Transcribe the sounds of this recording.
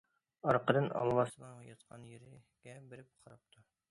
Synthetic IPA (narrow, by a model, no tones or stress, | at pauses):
ɒɾqɤ̆ɾɤnɒ̰lˠmɑsɤ̆nɑjɑt̪qʰɑnjɘ̆ɾɘ | ɡæbɘ̆ɾɘp̚qʰɑɾɑp̚t̪ʰo